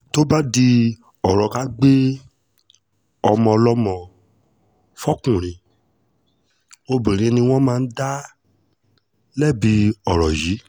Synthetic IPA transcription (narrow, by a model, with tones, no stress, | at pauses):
to˦ba˦di˧ | ɔ˨ɾɔ˨ka˨˦ɡ͡be˦ | ɔ˧mɔ̃˧lɔ˦mɔ̃˧˨ | fɔ˦kũ˨ɾ̃ĩ˨ | o˧bĩ˨ɾ̃ĩ˨˦nĩ˧w̃ɔ̃˦mãː˦˧n̩˦da˦ | lɛ˦˨bi˧ɔ˨ɾɔ˨ji˨˦